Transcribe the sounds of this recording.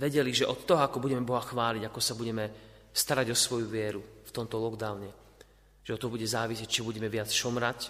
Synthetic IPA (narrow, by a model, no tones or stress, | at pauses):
ʋɛɟɛliʒɛʔɔt̪ːɔɦɔakɔbuɟɛmɛbɔɦaxʋaːliɟakɔsabuɟɛmɛ | st̪aɾaɟɔsʋɔjuʋɪɛɾuft̪ɔmt̪ɔlɔɡd̪aʊɲɛ | ʒ̥ɛɔt̪ːɔɦɔbuɟɛzaːʋisɪɛct͡ʃiɔbuɟɛmɛʋɪat͡sʃɔmɾac